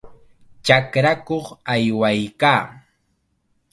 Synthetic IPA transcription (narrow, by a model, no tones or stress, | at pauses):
t͡ʃakɾakoχajwajkaː